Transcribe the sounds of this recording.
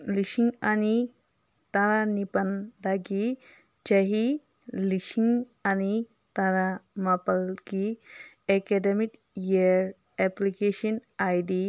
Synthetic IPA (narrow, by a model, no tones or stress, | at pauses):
lisiŋani | t̪aɾanipand̪aɡi | d͡ʒaɦi | lisiŋ | ani | t̪aɾamapɐlki | ekedemik | jeɾ | ɛplikesɔnajdi